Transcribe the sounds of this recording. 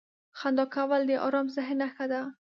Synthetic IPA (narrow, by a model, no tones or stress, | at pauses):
xand̪ɑkawald̪əʔɑ̰ɾɑmzɪɦnaxad̪a